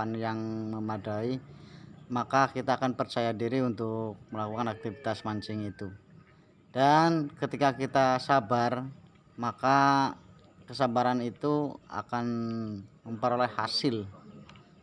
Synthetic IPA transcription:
anjaŋməmadai | makakit̪aːkanpərt͡ʃajadiɾiunt̪ʊk̚məlakukanak̚t̪ivit̪asmaɲt͡ʃɪŋit̪u | d̥ankət̪ikakit̪asabar | maka | kəsabaɾanit̪ua̰kan | məmpəɾolɛhhasɪl

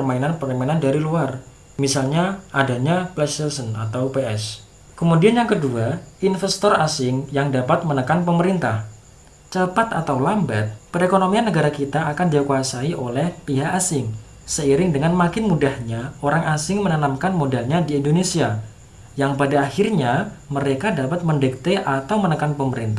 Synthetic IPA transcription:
ərmainanpərlimenandaɾiluar | misalɲaʔadaɲaplɛsɛlsəna̰t̪awpeɛs | kəmudianjaŋkəduainfɛst̪ɔrasɪŋjaŋdapat̪̚mənəkanpəməɾint̪ah | t͡ʃəpat̪at̪awlamba̰t̪̚pəɾekonomianːəɡaɾakit̪aːkandiakuasaiʔolɛhpiɦakasɪŋ | səiɾɪŋdəŋanmakɪnmudahɲaoɾaŋʔasɪŋmənanamkanmodalɲadiindonesia | jaŋpadaːhɪrɲaməɾekadapat̪̚məndɛk̚t̪eʔat̪awmənəkanpəməɾint̪a

